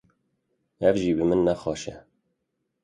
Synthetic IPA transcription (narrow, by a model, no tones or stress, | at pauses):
ɛvʒiːbɨmɨnːæxɑːʃɛ